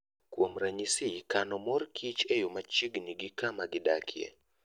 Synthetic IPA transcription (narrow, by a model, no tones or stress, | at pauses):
kwomɾaɲisikanɔmɔrkʰit͡ʃɛjomat͡ʃiɡniɡɪkamaɡɪda̰kʰjɛ̰